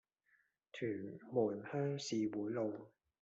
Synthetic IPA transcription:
tʰyː˨˩nmuː˨˩nhœː˥ŋsiː˨˧wuː˨˥jlo˧w

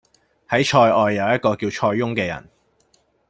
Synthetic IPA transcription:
hɐ˨˥jt͡ʃʰɔː˧jɔː˨˧jːɐ˨wjɐ˥t̚kɔː˧kiː˧wt͡ʃʰɔː˧jːʊ˥ŋkɛː˧jɐ̰˨˩n

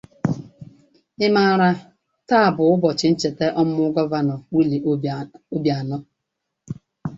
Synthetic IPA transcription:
ɪ˦ma˦˨ɾa˦ | ta˦a˨bʊ˨ʊ˦bɔ˨t͡ʃɪ˨n̩˦t͡ʃe˨te˦ʔɔ˦m̩˦mʊ˦ɡɔ˦va˦nɔ˨wi˦li˨o˦bja˨nɔ˦

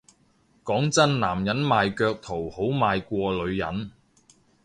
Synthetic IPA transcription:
kɔː˨˥ŋt͡sɐ˥nnaː˨˩mjɐ˨˥nmaː˨˧jkœː˧k̚t̪ʰo˨˩who˨˥wmaː˨˧jkʷɔː˧lɵ˨˧ɥjɐ̰˨˥n

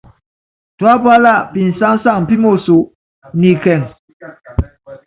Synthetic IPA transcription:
twa˦pa˦la˦˨pi˨n˨sa˦ŋsa˦˨ŋ˨pi˦mo˦˨su˨ | ni˨kɛ˨ŋ

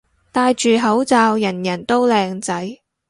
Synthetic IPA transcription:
t̪aː˧jt͡ʃyː˨ɦɐ˨˥wt͡saː˧wjɐ˨˩njɐ˨˩nt̪o˥wlɛː˧ŋt͡sɐ˨˥j

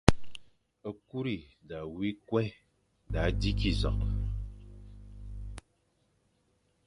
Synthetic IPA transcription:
ə˦ku˦ɾi˨da˨wi˦kwɛ˦ | da˨˦di˦ki˨zɔ̰˨ʔ

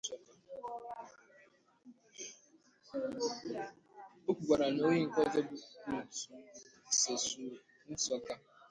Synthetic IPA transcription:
n̩˦sɔ˦ka˦ | o˦kʷu˨ɡʷa˨ɾa˨no˦je˦ŋ̩˨kɔ˦dɔ˦bu˨tu˨se˨su˨ | n̩˦sɔ˦ka˦

